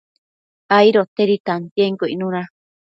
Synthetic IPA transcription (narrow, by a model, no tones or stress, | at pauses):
aiɾot̪eɾit̪ant̪jeŋkoinũɾã